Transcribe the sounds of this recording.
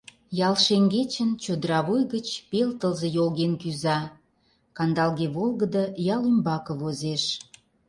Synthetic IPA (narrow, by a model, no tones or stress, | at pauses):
jɑlʃeŋɡet͡ɕənt͡ɕod̪əɾɑβujɣət͡ɕpelt̪əlzejolɣenkyzɑ | kɑnd̪ɑlɣeβolɣəd̪əjɑlymbɑkə̆βozeʃ